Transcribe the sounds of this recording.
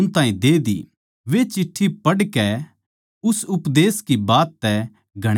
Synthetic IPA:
ʊnt̪ãːĩd̪eːd̪ḭ | ʋet͡ʃɪʈʰːipɐɽkɛ | ʊsʊpd̪eːskibaːt̪ːɛ | ɡʱɐɽ

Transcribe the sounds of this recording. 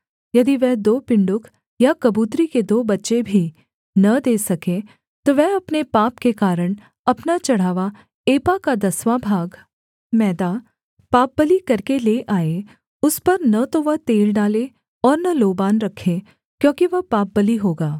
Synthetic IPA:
jɐd̪iʋɛɦd̪oːpɪ̃ɳɖʊk | jakɐbuːt̪ɾiked̪oːbɐtːʃebʱi | nɐd̪eːsɐkẽ | t̪oʋɛɦɐpnepaːpkekaːɾəɽ̃ | ɐpnat͡ʃɐɽ̤aːʋa | eːpakad̪ɐsʋaːbʱaːɡ | mɛːd̪a | paːp̚bəlikɐɾkeleːʔaːe | ʊspɐɾnɐt̪oʋɐɦt̪eːlɖaːle | ɔːɾnɐloːbaːnɾɐkʰːe | kjõːkiʋɐɦpaːp̚bɐliɦoːɡaː

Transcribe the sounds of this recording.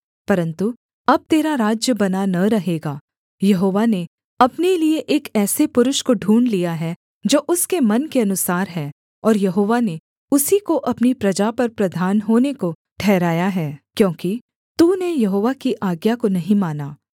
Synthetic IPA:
pɐɾə̃nt̪u | ɐb̚t̪eːɾaɾaːd͡ʒjəbɐnanɐɾɐɦeːɡaː | jɐɦoːʋane | ɐpnelieʔeːkɛːsepʊɾʊʃkoɖʱuːɳlijaɦɛ | d͡ʒoːʔʊskemɐnkeɐnʊsaːɾɦɛː | ɔːɾjɐɦoːʋane | ʊsikoʔɐpnipɾɐd͡ʒapɐɾpɾɐd̪ʱaːnɦoːneko | ʈʰɛːɾaːjaɦɛːkjõːki | t̪unejɐɦoːʋakiʔaːɡjakonɐɦĩmaːnaː

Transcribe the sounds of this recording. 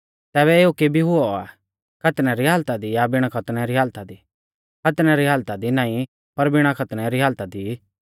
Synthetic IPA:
t̪ɛːβɛeːukebʱiɦʊɔa̰ | kʰɐt̪nɛɾiɦaːlt̪ad̪ijabɪɽ̃akʰɐt̪ɽ̃ɛɾiɦaːlt̪ad̪i | kʰɐt̪nɛɾiɦaːlt̪ad̪inãːĩ | pɐɾbɪɽ̃akʰɐt̪ñɛɾiɦaːlt̪ad̪i

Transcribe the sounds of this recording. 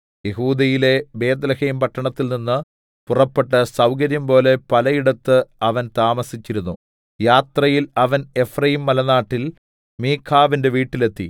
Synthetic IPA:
je̞huːd̪ɐjile̞be̞ːd̪lɐheːmpɐʈːɐɳɐt̪ːilninːɨ | purɐpːeʈːɐsɐwkɐɾjɐmpo̞ːle̞pɐlɐjiɽɐt̪ːɨɐʋɐnt̪aːmɐsit͡ɕːiɾunːu | jaːt̪rɐjilɐʋɐne̞frɐjimːɐlɐnaːʈːil | miːkʰːaːʋinde̞ʋiːʈːile̞t̪ːḭ

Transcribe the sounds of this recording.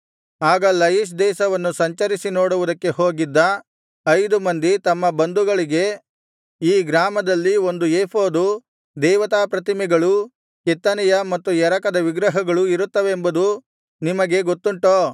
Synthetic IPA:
aːɡɐlɐjiʃ̬d̪ɛːsɐʋɐnːusɐɲt͡ʃɐɾisino̞ːɽuʋud̪ɐkːe̞ɦoːɡid̪ːɐ | ɐjd̪umɐnd̪it̪ɐmːɐbɐnd̪uɡɐɭiɡe̞ | iːɡɾaːmɐd̪ɐlːio̞nd̪ueːpʰo̞ːd̪u | d̪ɛːʋɐt̪aːpɾɐt̪imɛɡɐɭu | kit̪ːɐnɛjɐmɐt̪ːujɛɾɐkɐd̪ɐʋiɡɾɐɦɐɡɐɭuiɾut̪ːɐʋeːmbɐd̪u | nimɐɡe̞ɡot̪ːuɳʈoː

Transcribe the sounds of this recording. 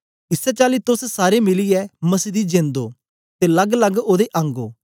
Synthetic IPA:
ɪsɛt͡ʃaːlit̪ʊssaːɾemɪliɛmɐsiːd̪id͡ʒẽːnd̪oː | t̪elɐɡləɡoːd̪eʔɐ̃ŋɡoː

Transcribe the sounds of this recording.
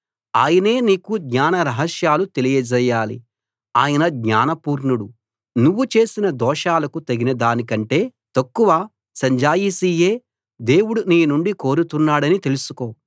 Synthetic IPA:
aːjɐne̞ːniːkud̪ɲaːnɐɾɐɦɐʃjaːlut̪e̞lijɐd͡ʒɛjːaːlḭ | aːjɐnɐd̪ɲaːnɐpuːɾɳuɽu | nuʋːut͡ʃe̞ːsinɐd̪ɔːʂaːlɐkut̪ɐɡinɐd̪aːnikɐɳʈe̞ːt̪ɐkːuʋaː | sɐɲd͡ʒaːjisijeː | d̪e̞ːwuɽuniːnuɳɖiko̞ːɾut̪unːaːɽɐnit̪e̞lusu̥ko̞ː

